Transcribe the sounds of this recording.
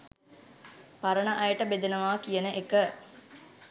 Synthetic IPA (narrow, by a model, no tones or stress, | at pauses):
paɾənəʔajəʈəbed̪enəʋaːkijənəʔekə